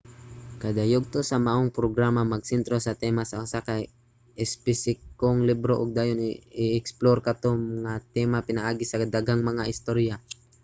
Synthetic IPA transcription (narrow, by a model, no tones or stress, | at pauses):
kɐd̪ajoɡ̚t̪osɐmaʔoŋpɾoɡɾaːmamɐɡ̚sɛnt̪ɾo̞sɐt̪ɛmasɐʔosakaj | ɛspɪsɪkoŋlibɾoʔʊɡ̚d̪aːjonɪʔɛksploɾkɐt̪oŋmɐŋat̪ɛmapɪnaʔaːɡɪsɐd̪aɡaŋmɐŋaʔɪst̪oɾja